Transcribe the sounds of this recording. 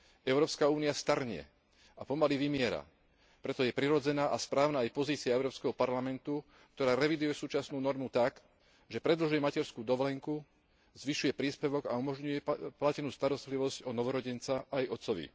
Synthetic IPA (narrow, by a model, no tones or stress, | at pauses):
ɛʊɾɔːpskauːnijast̪aɾɲɛ̰ | apɔmaliʋimɪɛɾa̰ | pɾɛt̪ɔjɛpɾiɾɔd͡zɛnaːʔaspɾaːʊnaːjpɔziːt͡siaɛʊɾɔːpskɛɦɔpaɾlamɛnt̪u | k̚t̪ɔɾaːɾɛʋid̪ujɛsuːt͡ʃasnuːnɔɾmut̪ak | ʒɛpɾɛd̪l̩ʒujɛmacɛɾskuːd̪ɔʋlɛŋku | zʋiʃujɛpɾiːspɛʋɔɡa̰umɔʒɲujɛplacɛnuːst̪aɾɔst̪liʋɔzcɔnɔʋɔɾɔɟɛnt͡saʔajɔt̪t͡sɔʋḭ